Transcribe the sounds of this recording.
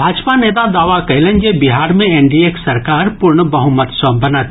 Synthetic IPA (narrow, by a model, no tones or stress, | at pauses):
bʱaːd͡ʒpaneːt̪̬ad̪aːʋakɐɪlẽnd͡ʒebiɦaːɾmẽeɳɖieksɐɾkaːɾpʊɾɳəbɐɦʊmət̪səbɐnət̪